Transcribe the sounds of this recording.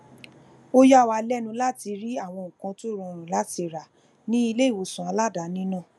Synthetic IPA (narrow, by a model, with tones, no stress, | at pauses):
o˦ja˦˨wa˧lɛ˦˨nũ˧la˦ti˧ɾi˦a˦˨w̃ɔ̃˧ŋ̩ũ˨kã˧to˦ɾ̃ũ˧ɾũ˨la˦ti˧ɾa˨ | nĩ˦i˧le˦i˦˨wo˨˧sũ˨a˧la˦˨da˨˦nĩ˦nũ˦˨